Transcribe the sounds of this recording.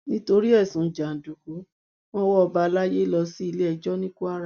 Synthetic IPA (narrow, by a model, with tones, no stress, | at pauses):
nĩ˦to˧ɾi˦ɛ˦˨sũ˨˦d͡ʒa˨n̩˨du˨ku˨˦ | wɔ̃˦wɔ˦ɔ˧ba˧la˦je˦lɔ˧si˦i˧le˦ɛ˧d͡ʒɔ˦nĩ˦ku˦a˦ɾa˦˨